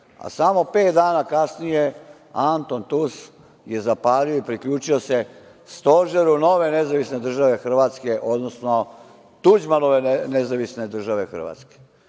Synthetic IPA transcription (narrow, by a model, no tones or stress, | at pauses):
a̰samo̞pe̞ːt̪̚d̪aːnakasnije̞ | ant̪o̞nt̪us | je̞zapaːlioipɾikʎuːt͡ʃio̞se | st̪o̞ʒeɾuno̞ʋe̞nezaʋisne̞d̪r̩ʒaʋe̞xr̩ʋaːt̪ske̞ʔo̞d̪no̞sno̞ | t̪ud͡ʑmanoʋe̞nezaʋisne̞d̪r̩ʒaʋe̞xr̩ʋa̰ːt̪ske̥